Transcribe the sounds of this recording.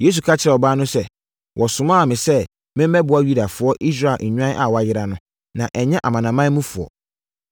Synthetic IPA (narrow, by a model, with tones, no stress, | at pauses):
je˦s̬u˨kʰa˦t͡ɕʰɪ˨ɾɛ˨ɔ˨baː˦nʊ̃˦sɛ˦ | wʔɔ˨sʊ˨mãː˦˨mɪ̃˨sɛ˦ | mɪ̃˦m˦mɛ˦bʊ˨a˦ɥu˦da˨fʊ˨ɔ˦ʔi˦s̬ɾa˦˨l̩˨ɲᶣ˦ã˦ʔa̰˨wɔ˨˦a˨jɪ˦ɾa˦nʊ̃˦ | nã˨ʔɛ˨ɲɛ̃˦ʔa˨mã˨nã˨mã˦mũ˦fʊ˨ɔ̰˨